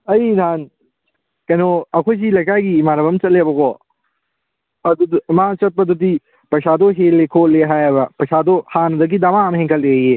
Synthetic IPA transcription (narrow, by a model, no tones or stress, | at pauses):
ɐinʱaːn | kɐnoɐkʰot͡ʃilɐkaːɡimaːɾɐbɐmt͡ʃɐleboko | ɐd̪umãːt͡ʃɐt̪̚pɐd̪ut̪̬i | pɐʃaːd̪oɦeːlekʰoːlːeɦaːapɐʃaːd̪ohaːnd̪ɐk̬id̪ɐʋaːmɦẽŋkɐlee